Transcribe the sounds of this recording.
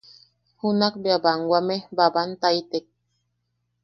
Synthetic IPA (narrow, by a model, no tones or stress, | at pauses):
hunak̚beabaŋɡwamebabant̪ait̪ek̚